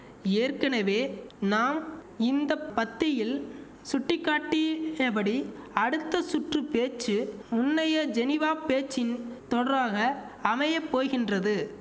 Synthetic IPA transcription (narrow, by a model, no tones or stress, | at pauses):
eːrkɐnɐʋeːnaːmɪnd̪ɐpɐt̪ːɪjɪl | sʊʈːɪkːaːʈːɪɐbɐɽiɐɽɯt̪ːɐsʊʈrɯpeːt͡ʃːɯmʊnːɐjɐd͡ʒɛnɪʋaːpeːt͡ʃːɪnt̪ɔɽɐɾaːɣɐː | mɐjɐpːoːɣɪndrɐðɯ